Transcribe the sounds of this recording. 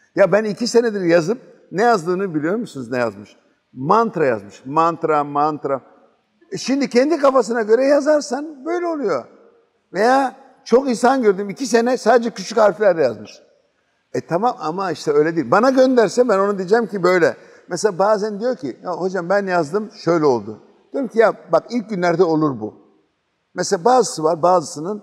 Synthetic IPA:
jabænicise̞nɛd̪iɾjazɯp̚ | nɛjazd̪ɯːnɯbilʲijo̞ɾmusunuznɛja̰zmɯʃ | mant̪ɾaja̰zmɯʃmant̪ɾamant̪ɾa | ʃimd̪icʰɛnd̪ikafas̬ɯnaɟø̞ɾɛjazaɾsanbø̞jlʲɛo̞lˠujo̞ | vejaː | t͡ʃʰo̞kins̬anɟø̞ɾd̪ymicis̬e̞nɛsaːd̪ed͡ʒɛcʰyt͡ʃʰychaɾfilʲæɾd̪ɛjazmɯʃ | ɛt̪ʰamamamaiʃt̪ʰɛø̞jlʲed̪iːilʲbanaɟø̞nd̪æɾsɛbæno̞nud̪ied͡ʒɛmcibøjlʲɛ̰ | mɛselabaːzænd̪ijo̞ɾcʰḭjaho̞d͡ʒambænjazd̪ɯmʃø̞jlʲɛo̞lˠd̪ʊ | d̪̥ijoɾmcʰijabakilʲc̚ɟynlʲæɾd̪ɛo̞lˠuɾbṵ | mɛselʲabaːzɯsɯvaɾbaːzɯsɯnɯn

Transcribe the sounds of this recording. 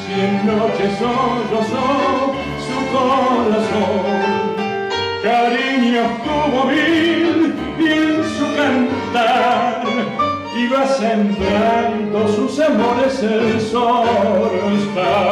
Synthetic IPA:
sjennot͡ʃesoɾoso | sukoɾasoŋ | kaɾiɲiokt̪uβoβi | bjensukant̪aɾ | iβasent̪eant̪osusamoɾeselsoɾoest̪a

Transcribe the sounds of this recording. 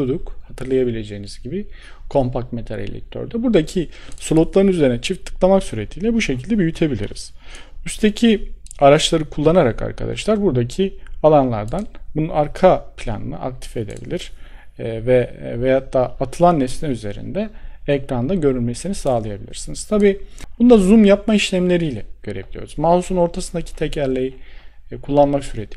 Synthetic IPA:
ud̪ukhat̪ʰɯɾlˠajabilʲe̞d͡ʒe̞jiniz̥ɟibi | kʰo̞mpak̚t̪met̪ʰaɾḛlʲɛ̰c̚t̪ʰːø̰ɾd̪ɛbuɾd̪acʰisolˠut̪lˠaɾɯnyze̞ɾinɛt͡ʃʰɯft̪ʰːɯ̥klˠamaksyɾe̞t̪ʰiːlʲɛbuʃe̞cʰilʲd̪ɛbyjyt̪ʰe̞bilʲḭɾḭz̥yst̪ʰe̞cʰiaɾat͡ʃlˠaɾɯkʰulˠːanaɾakʰa̰ɾkʰa̰d̪a̰ʃlˠaɾbuɾd̪acʰialˠanlˠa̰ɾd̪anbununaɾkʰapʰlʲa̰nɯ̰nɯ̰ʔa̰k̚t̪ʰi̥fe̞d̪ḛbḭlʲiɾ̥ | vɛvejat̪ːaːat̪ʰɯlˠanːɛst̪ɛyze̞ɾḭnd̪ɛɛcɾand̪aɟø̞ɾylʲmesinisaːlˠajabilʲḭɾsiniz̥t̪ʰabiːb̥und̪azumjapmaiʃlʲæmlʲe̞ɾijlʲɛɟ̥ø̞ɾe̞bilʲijo̞̰ɾuzmalˠusuno̞ɾt̪ʰasɯnd̪acʰi̥t̪ʰɛcʰæɾlʲejikʰulˠːanmaksyɾe̞t̪ʰi

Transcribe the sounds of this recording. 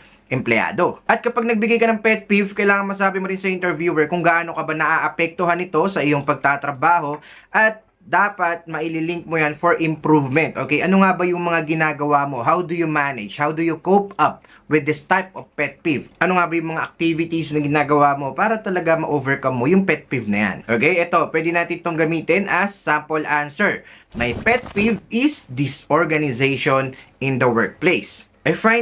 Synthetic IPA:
ʔɛmplɛa̰ːd̪o̞ʔɐt̪̚kɐpaɡ̚nɐɡ̚bɪɡajkɐnɐŋpɛt̪̚pifkɐjlaːŋɐŋmɐs̬aːbɪmoɾɪnsɐʔɪ̃nt̪ɛɹvjuːwɛɹkʊŋɡaʔano̞kɐbanɐʔaʔɐpɛk̚t̪oɦanɪt̪o̞sɐʔɪjo̞ŋpɐɡ̚t̪at̪ɾɐbaːho̞ | ʔɐt̪̚ | d̪aːpɐt̪̚mɐʔɪlɪlɪŋk̚mojanfoɹʔɪ̃mpɾuvmɛnt̪ʔoːkɛjʔɐnoŋabɐjʊŋmɐŋaɡɪnaːɡɐwamo̞ɦawd̪ʊjʊmanɪd͡ʒhawd̪ʊjʊkowpʔɐp̚ | wɪd̪ːɪst̪ajp̚ovpɛt̪̚pivʔɐnoŋabɐjʊŋmɐŋaʔɐk̚t̪ivɪt̪isnɐɡɪnaːɡɐwamo̞paːɾɐt̪ɐlɐɡamɐʔoːvɛɹkɐmːojʊŋpɛt̪̚pivnɐja̰nʔoːkejʔɛt̪o̞pwɛd̪ɪnaːt̪ɪnt̪oŋɡɐmiːt̪ɪnʔɐsampolʔansɛɹ | mɐjpɛt̪̚pivɪsd̪ɪsoɹɡɐnɪzeʃonɪnd̪ɐwɛɹk̚plejs | ʔɐjfa

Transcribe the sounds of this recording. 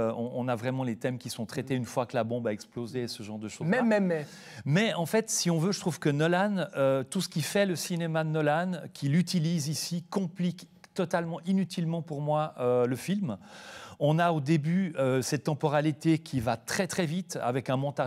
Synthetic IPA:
ɔ̃ʔɔ̃navʁɛmɑ̃let̪ɛmkʲisɔ̃t̪χɛt̪eynfwakəlabɔ̃baɛksplozesəʒɑ̃ʁd̪əʃomɛmɛmɛ | mɛɑ̃fɛt̪siɔ̃vøʒət̪χuv̥kənɔlanøt̪usə̥kʲifɛləsinemad̪nɔlankʰʲilyt̪ilizisikɔ̃plikt̪ɔt̪almɑ̃ʔinyt̪ʰilmɑ̃puʁmwaøləfilm | ɔ̃naod̪ebyøsɛt̪ːɑ̃pɔʁalit̪ekʲʰivat̪χɛt̪χɛvit̪a̰vɛkɛ̃mɔ̃t̪a

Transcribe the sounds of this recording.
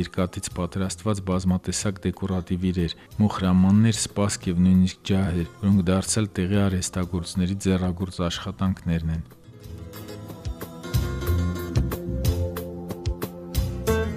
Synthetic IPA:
ɛɾkɑt̪it͡sʰpɑt̪ɾɑst̪vɑt͡sbɑzmɑt̪ɛsɑkd̪ɛkɔrɑt̪iviɾɛɾ | mɔχɾɑmɑnːɛɾspɑskʰjɛvnujnisk̚ʰd͡ʒɑhɛɾvɔɾɔŋkʰd̪ɑɾt͡sʰjɑlt̪ɛʁiɑɾɛst̪ɑɡɔɾt͡snɛɾid͡zɛrɑɡɔɾt͡sɑʃχɑt̪ɑŋkʰnɛɾnɛn

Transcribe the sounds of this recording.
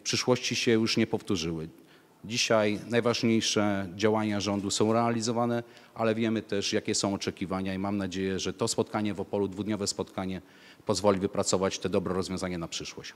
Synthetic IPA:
fpʂɘʂwɔɕt͡ɕiɕɛjuʂɲɛpɔft̪uʐɘwɘ | d͡ʑiɕajnajvaʐɲejʂɛd͡ʑawaɲaʐɔnd̪usɔ̃w̃ɾɛalʲizɔvanɛʔalɛvʲjɛmɘt̪ɛʂjakʲɛsɔ̃w̃ɔt͡ʂɛkʲivaɲaimamnad͡ʑejɛʐɛt̪ɔspɔt̪̚kaɲɛvɔpɔlud̪vud̪ɲɔvɛspɔt̪kaɲɛ | pɔzvɔlʲivɘpɾat̪sɔvat͡ɕt̪ɛd̪ɔbɾɛɾɔzvʲjɔ̃zaɲanapʂɘʂwɔɕ

